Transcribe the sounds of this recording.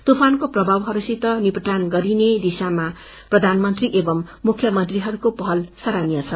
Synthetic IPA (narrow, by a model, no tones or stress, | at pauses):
t̪upʰankoprʌbʱawɦʌɾusit̪ːʌnipʌʈ̪anɡʌɾined̪isama | prʌd̪ʱanmʌnt̪riʔebʌmːukʰːjʌmʌnt̪riɦʌɾukopʌɦʌlsʌɾanijat͡sʰʌ